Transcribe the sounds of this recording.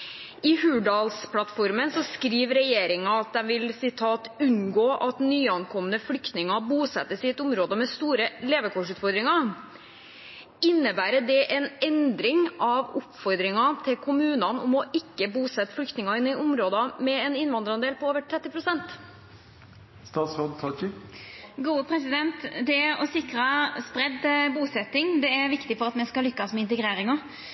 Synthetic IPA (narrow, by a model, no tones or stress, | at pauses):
ɪhʉːɖɑːlspʰlɑt̪fɔɾmənsɔskɾiːʋɾɛjeːɾɪŋɑɑt̪̚d̪ɛmʋɪlsɪt̪ʰɑːt̪ʉnɡoːʔɑt̪nyːɑnkʰɔmənəflʏkt̪nɪŋɑbuːsɛt̪ːəsɪɛt̪ʊmɾoːd̪əmɛst̪uːɾəleːʋəkʰɔʂʉːt̪fɔɾd̪ɾɪŋɑ | ɪnːəbæːɾəɖɛʔɛnɛnd̪ɾɪŋɑʋʊpfɔɾd̪ɾɪŋɑt̪ʰɪlkʰʊmʉːnɑnʊ̰mɔʔɪkːəbuːsɛt̪ːflʏkt̪nɪŋɑɪnːɪʔʊmɾoːd̪ɑmɛɛnɪnʋɑnd̪əɾɑnd̪eːlpʰɔoːʋəʈʰɾɛt̪ːɪpʰɾʊsɛnt̪ | st̪ɑːt̪sɾoːd̪t̪ʰɑ | ɡuːəpʰɾɛsɪd̪ɛnt̪d̪ɛæɾɔsɪkɾɑspɾɛd̪buːsɛt̪ːɪŋd̪ɛæɾʋɪkt̪ɪfɔɾɑt̪mɛskɑlʏkːɑsmɛɪnt̪ɛɡɾeːɾɪŋɑ